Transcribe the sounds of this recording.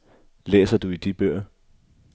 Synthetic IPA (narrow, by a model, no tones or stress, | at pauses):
lḛːsɐd̥uid̥ib̥øɐ̰